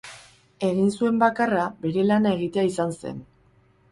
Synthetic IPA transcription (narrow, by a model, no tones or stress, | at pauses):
e̞ɣinsue̞mbakarabe̞ɾe̞lanae̞ɣit̪eaisanse̞̰n